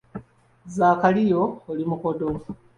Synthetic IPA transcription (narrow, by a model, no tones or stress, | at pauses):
zaːkalijo̞ːlimukodo